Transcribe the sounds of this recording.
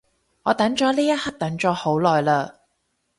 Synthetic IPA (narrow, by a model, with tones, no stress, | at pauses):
ŋɔː˨˧t̪ɐ˨˥ŋt͡ʃɔː˨˥liː˥jɐ˥t̚hɐ˥k̚t̪ɐ˨˥ŋt͡ʃɔː˨˧˥ho˨˥wlɔː˨jlaː˧